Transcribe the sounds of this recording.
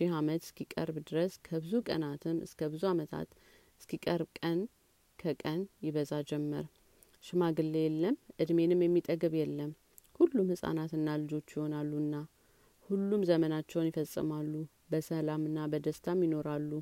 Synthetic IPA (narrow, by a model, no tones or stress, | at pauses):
ʃiɦamət̪ɨ̥skʰikʼə̰ɾbd̪ɨɾəskʰəbɨzukʼə̰nat̪ʰɨmɨ̰skʰəbɨzuamət̪ʰa̰t̪ | ɨskʰikʼəɾbkʼən | kʰəkʼənjɪβəzad͡ʒɛmːə̰ɾ | ʃɪmaɡɨlːejɛlːəmʔɨd̪me̞nɨmjɛmːit̪ʼəɡɨβjɛlːəm | hulːumhɨsʼa̰nat̪ɨnːalɨd͡ʒo̞t͡ʃːjɪho̞nalːuɨnːa | hulːumzəmənat͡ʃːɛwnjɪfəsʼːɨ̰malːu | bəsəlamɨnːabəd̪əst̪ʰamjɪno̞ɾalːu